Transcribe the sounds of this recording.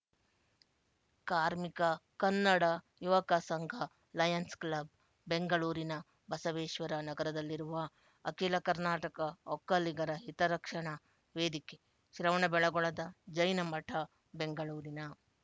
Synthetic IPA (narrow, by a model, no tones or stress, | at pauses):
kaːɾmikɐkɐnːɐɽɐ | juʋɐkɐsɐŋɡʱɐ | lɐjɐnsklɐb̚ː | eŋɡɐɭuːɾinɐ | bɐsɐʋeːʃʋɐɾɐnɐɡɐɾɐd̪ɐlːiɾuʋɐ | ɐkeːlɐkɐɾnaːʈɐkɐɔkːɐliɡɐɾɐɦit̪ɐɾɐkʂɐɳɐ | ʋeːd̪ike | ʃɾɐʋɐɳɐbɛɭɐɡɔɭɐd̪ɐd͡ʒɐjnɐmɐʈʰɐ | beŋɡɐɭuːɾinɐ